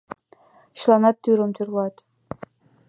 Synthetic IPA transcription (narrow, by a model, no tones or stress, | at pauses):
ɕlˠɑnɑt̪ʲːyɾɤ̆mt̪yrlˠɑt̪